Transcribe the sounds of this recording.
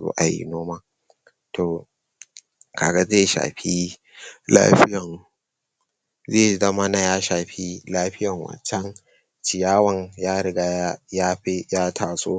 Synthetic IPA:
zṵ˦ʔa˨jḭ˦noː˦maː˦ | tʰoː˨ | kaː˨ɡa˦zeː˦˨ʃa̰ː˨ɸi˦ | la̰ː˦ɸɪ˦jɐ˨ŋ | zeː˦˨zɐ˦ma˦na˦jaː˦ʃaː˨ɸi˦laː˦ɸɪ˦jɐ˨ŋwɐ̰˨t͡ʃɐ˦ŋ | t͡ʃɪ˨jaː˦wɐ˦˨ŋjaː˦ɽɪ˨˦ɡa˦jaː˦ɸe˦jaː˦tʰaː˨sʼo̰ː˦

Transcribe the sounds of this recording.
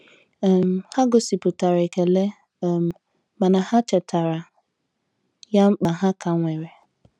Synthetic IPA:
m˨ha˦ɡʊ˨si˨pʊ˨ta˨ɾa˨ke˨le˦˨ | m˨ | ma˨na˨ha˦t͡ʃɛ˨tʰa˨ɾa˨ | ja˦m̩˦k͡pa˨ɦa˦ka˨ŋʷe˨ɾe˨

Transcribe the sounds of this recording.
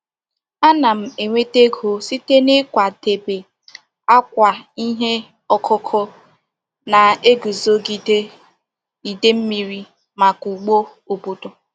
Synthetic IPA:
a˦na˨m̩˨e˨ŋʷe˦te˦ɡo˨si˦te˦ne˦kʷa˨de˨be˨ | a˦kʷa˨i˦ɦe˦ | ɔ˦kʰʊ˦kʰɔ˦ | na˨e˦ɡu˨zo˦ɡi˨de˦ | i˨de˦m̩˦mi˨ɾi˦ | ma˨ku˨ɡ͡bo˦ | o˨bo˨do˨

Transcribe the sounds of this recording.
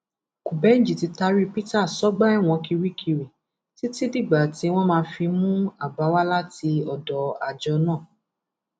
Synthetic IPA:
ku˨bɛ˨˦n̩˦d͡ʒi˨ti˧˦ta˧ɾi˦pi˦ta˦˨sɔ˨˦ɡ͡ba˦ɛ˦˨w̃ɔ̃˧ki˧ɾi˦kʰi˧ɾi˨ | ti˨˦ti˦di˦˨ɡ͡ba˨ti˨˦w̃ɔ̃˦mãː˧fi˧mũ˦a˦˨ba˨˦wa˦la˦ti˧ɔ˧dɔ˨a˨d͡ʒɔ˧nãː˦˨

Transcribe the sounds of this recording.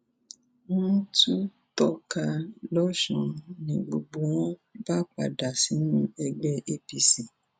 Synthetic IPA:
wɔ̃˦tu˦ | tɔ˦ka˧lɔ˦ʃɔ̃˧nĩ˨ɡ͡bo˨ɡ͡bo˨w̃ɔ̃˦ba˦k͡pa̰˨da˨si˨˦ñũ˦ɛ˧ɡ͡bɛ˦e˦pi˧si˨

